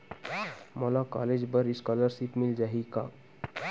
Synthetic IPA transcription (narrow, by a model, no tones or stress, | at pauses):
mɔlaka̰led͡ʒbəɾiskaləɾʃipmild͡ʒaɦika̰